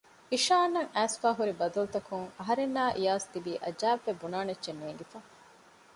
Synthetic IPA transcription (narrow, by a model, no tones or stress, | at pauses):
iʃaːnːɐŋæːsfaːɦuɾibɐd̪ɐlut̪ɐkuŋɐɦɐɾenːaːʔijaːst̪ibiːʔɐd͡ʒæːʋːebunaːnɐdʒenːueŋɡefa